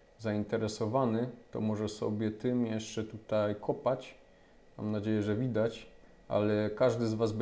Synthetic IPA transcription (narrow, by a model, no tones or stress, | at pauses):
zaint̪ɛɾɛsɔvanɘt̪ɔ̰mɔʐɛsɔ̰bʲjɛt̪ɘmjɛʂt͡ʂɛt̪ut̪ajkʰɔpat͡ɕ | ma̰mnad͡ʑejɛʐɛvʲid̪at͡ɕ | ʔa̰lɛkaʐd̪ɘzvazb